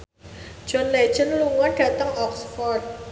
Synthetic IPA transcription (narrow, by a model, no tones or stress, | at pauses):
d͡ʒ̥ɔ̤nle̥d͡ʒənluŋɔnɖ̥ä̤t̪əŋɔksfɔrd̚